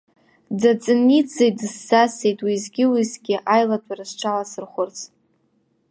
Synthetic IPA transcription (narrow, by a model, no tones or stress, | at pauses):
dat͡sʼɨnid͡zejdɨsːase̞jtʼwizɡʲɪwizɡʲɪʔajlatʷʰʼarɨsʈ͡ʂʰalasɨrχʷʊrt͡sʰ